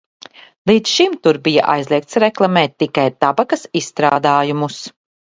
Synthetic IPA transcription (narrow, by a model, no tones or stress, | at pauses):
lˠiːt̪ʃimt̪uɾbija̰ʔa̰jzlˠiɛk̚t̪sɾɛklˠamɛːt̪ːikajt̪abakɐsisːt̪ɾaːd̪aːjumus